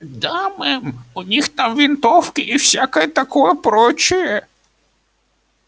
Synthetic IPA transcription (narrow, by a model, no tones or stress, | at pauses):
d̪amɪmʊnʲixt̪amʋʲint̪ɔwkɪʔiwsʲakɔjɛt̪ɐkɔjɛpɾɔt͡ʃʊjɛ